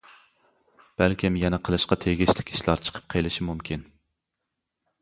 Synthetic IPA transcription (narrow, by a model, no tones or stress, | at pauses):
b̥ælkʲimjɛnɛqʰəlˠɨʃqɑt̪ʰeɡʲiʃlɪ̥kʲʰi̥ʃlˠɑɾt͡ʃʰə̥qʰə̥p̚qʰelˠɪʃimumkʲin